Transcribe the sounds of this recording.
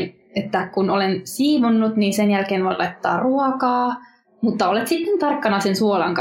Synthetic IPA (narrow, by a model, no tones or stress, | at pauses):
n | et̪ːækunolensiːʋonːut̪niːnsenjælkeːnʋoilʔɑ̰it̪ːɑ̰ːrruɔkɑː | mut̪ːɑolet̪sit̪ːent̪ɑrkːɑnɑsensuolɑŋk